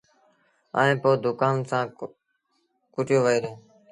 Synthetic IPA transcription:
a̰ːẽːpoːd̪ʊkaːnsãː | kʊʈjoːʋəiːɾeː

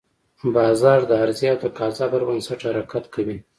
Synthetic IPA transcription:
bɑzɑɾd̪əaɾziawd̪əkɑzɑbəɾbənsaʈhaɾakat̪kʰawi

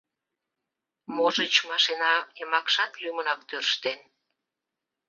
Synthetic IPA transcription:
moʒət͡ɕmɑʃenɑemɑkʃɑt̪lymənɑk̚t̪ørʃt̪en

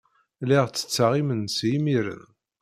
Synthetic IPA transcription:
liʁt͡sːə̥t͡sːaʁimənsjimiɾə̰n

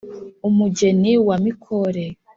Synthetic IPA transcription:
umuɟeniwamikʰoɾe

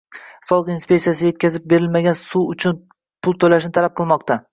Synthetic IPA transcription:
sɒlˠɨqinspʲekt̪ijasɪje̞t̪̚kʲʰazɪp̚be̞ɾɪlmaɡʲansuʊt͡ʃʰʊn | pʰʊlˠt̪ʰolaʃɪnɪt̪ʰalap̚qʰɨlˠmɒqt̪a

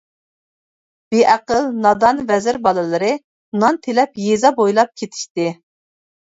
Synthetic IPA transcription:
b̥eʔæqəlnɑd̪ɑnvɛzɪɾbɑlˠɨlˠɨɾɨ | nɑnt̪ʰelɛpjezɑbojlˠɑp̚kʲʰet̪ʰi̥ʃt̪ɪ

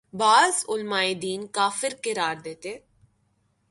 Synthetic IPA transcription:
baːzʊlmaːed̪iːnkaːfɪɾkɪɾaːɾd̪eːt̪eː

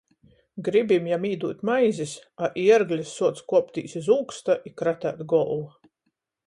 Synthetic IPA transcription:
ɡɾibimjamiːd̪uːt̪ʲmajzisaʔiɛɾɡlʲisːuɔt̪skuɔpt̪ʲḭːsizuːkst̪aʔikɾat̪æ̰ːt̪ɡɔlˠva

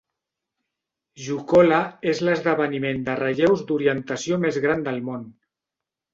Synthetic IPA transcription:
ʒukɔlaezləzðəβ̞ənimend̪ərəʎɛwzd̪uɾiənt̪əsiomezɣɾand̪əlˠmon

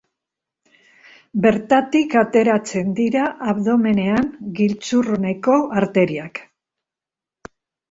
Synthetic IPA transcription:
be̞ɾt̪at̪ikat̪e̞ɾat͡se̞nd̪iɾaʔːβðo̞me̞ne̞aŋɡilt͡surne̞ko̞ʔaɾt̪e̞ɾiak

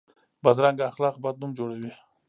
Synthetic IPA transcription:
bad̪ɾaŋɡaːxlɑːqbad̪̚numd͡ʒoɽawi

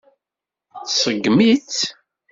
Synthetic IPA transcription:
θsəɡːmit͡s

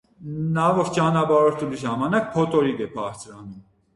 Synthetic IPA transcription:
nɑvɔɾt͡ʃɑnɑbɑɾɔɾt̪ʰuliʒɑmɑnɑk̚pʰɔt̪ɔɾid̪ɛpʰɑɾt͡sʰɾɑnum

